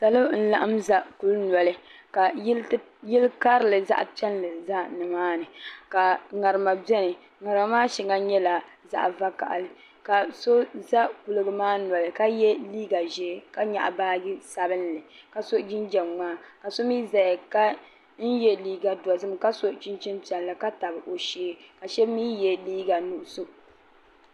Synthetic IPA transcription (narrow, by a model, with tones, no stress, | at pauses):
sa˨lɨ˦n̩˦la˦ʔa˦mza˦ku˦lnɔ˨lɨ˦ | ka˨˦ | jɪ˦lka˦ɾɨ˨lɨ˨za̰˦ʔt͡ʃɛ˦nlɨ˨za˦nɨ˨maː˦nɨ˨ka˨ŋa˨ɾɨ˨ma˨bɛ˦nɨ˨ | ŋa˨ɾɨ˨a˨˦maː˦ʃi˨ŋa˦ɲɛ˦la˨ | za̰˦ʔva˦ka̰˨ʔlɨ˨ | ka˨so˦za˦ku˨lɨ˦ɡɨ˦maː˦nɔ˨lɨ˨ka˦jɛ˦liː˦ɡa˨ʒɛ˨˦˨ka˦ɲa̰˨ʔbaː˦ɡɪ˦sa˨bɨ˦nlɨ˨ka˨so˦d͡ʒi˦nd͡ʒɛ˨mŋaː˦˨ka˨so˦miː˦za˨ja˨ka˦ | n̩˦jɛ˦liː˦ɡa˨dɔ˨zɨ˦mka˦so˦ʔt͡ʃɪ˦nt͡ʃɪ˦npɛ˨n˨la˨ka˦ta˨bɨ˨ʔo˨ʃeː˦ka˨ʃɛ˦miː˦jɛ˦liː˦ɡa˨nu˨ʔʊ˨so˦